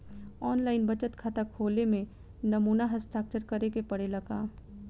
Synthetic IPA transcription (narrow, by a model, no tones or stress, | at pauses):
ɔːnlaːɪnbɐt͡ʃət̪kʰat̪akʰoːlemẽ | nɐmuːnaɦəsʈaːk̚t͡ʃəɾkɐɾekepɐɽelɐɡa̰ː